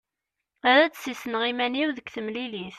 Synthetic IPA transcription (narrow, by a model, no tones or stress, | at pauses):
æɾæt͡sːsisənʁimæniwðəkθəmliliθ